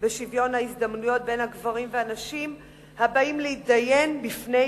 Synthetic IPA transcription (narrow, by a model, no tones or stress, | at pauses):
beʃivjo̞nhaisd̪amnujo̞t̪̚be̞jnhaɡvaʁimveanaʃim | habaimlehit̪̚daje̞nbifne